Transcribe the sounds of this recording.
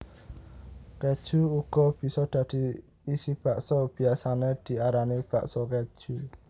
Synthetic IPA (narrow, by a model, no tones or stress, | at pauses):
kɛd̥ʒ̥ṳuɡ̥ɔb̥i̤sɔd̪̥ä̤d̪̥i̤ | isib̥a̤ʔsɔb̥i̤asaned̪̥i̤aɾaneb̥a̰ʔsɔkɛ̥ʒ̥u